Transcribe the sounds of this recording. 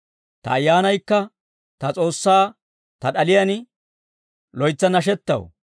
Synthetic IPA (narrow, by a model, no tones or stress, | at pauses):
t̪ɐ̰ːjːaːnɐjkːɐ | t̪ɐt͡sʼo̞ːsːaː | t̪ɐɗɐlɪjɐn | lɔjt͡sːɐnɐʃ̬ɛt̪ːɐ̰w